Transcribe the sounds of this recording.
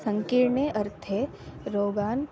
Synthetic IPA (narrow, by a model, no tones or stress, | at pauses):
sɐ̃ŋkɪɾɳeʔɐɾt̪ʰe | ɾoːɡaːn